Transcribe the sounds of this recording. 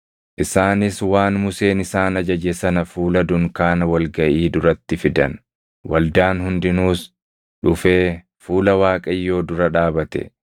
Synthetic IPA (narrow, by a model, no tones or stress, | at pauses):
ʔɪsaːnɪswaːnmʊse̞ːnɪsaːnɐd͡ʒɐd͡ʒɛsɐnɐfuːlɐd̪ʊŋkaːnɐwɐlɡɐʔiːd̪ʊɾɐt̪ːɪfɪd̪ɐn | wɐld̪aːnhʊnd̪ɪnuːs | ᶑʊfe̞ː | fuːlɐwaːkʼɐjːo̞ːd̪ʊɾɐᶑaːbɐt̪ɛ̰